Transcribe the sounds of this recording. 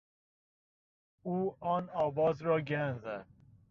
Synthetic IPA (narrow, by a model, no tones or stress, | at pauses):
uːɒːnɒːvɒːzɾɒːɡænzæd̪̥̚